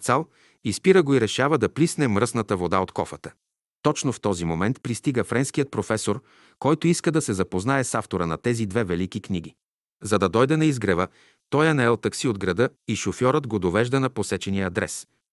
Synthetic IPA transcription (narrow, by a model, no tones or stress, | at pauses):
t̪salˠ | ispiɾəɡoiɾɛʃavəd̪ɐplisnɛmɾɤsnɐt̪əvod̪aot̪kɔ̰fət̪ə̥ | t̪ɔt͡ʃnoft̪ɔzimomɛnt̪pɾist̪iɡəfɾɛnskijət̪̚pɾofɛsoɾ | kɔjt̪oiskəd̪ɐsɛzɐpoznaɛsaft̪oɾənɐt̪ɛzid̪vɛvɛlikikniɡ̟i | zɐd̪ɐd̪ɔjd̪ɛnɐizɡɾɛvə | t̪ɔjɐnɛlˠt̪ɐksiod̪ɡɾɐd̪ɤiʃofjɔɾəd̪ɡod̪ovɛʒd̪ənɐposɛt͡ʃɛnijəːd̪ɾɛ̰s